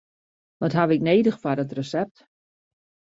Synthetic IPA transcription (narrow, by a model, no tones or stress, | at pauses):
ʋɔtɦaʋɪkneːdəxfadɔtrəsɛp̚t